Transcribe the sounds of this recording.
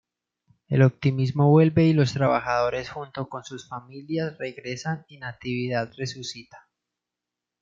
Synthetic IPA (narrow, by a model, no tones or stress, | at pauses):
e̞̰lo̞p̚t̪imizmo̞βwe̞lbe̞ilo̞st̪ɾaβa̰xaðo̞ɾe̞sxunt̪o̞ko̞nsusfamiljasre̞ɣɾe̞saninat̪iβiðaðre̞susit̪ḁ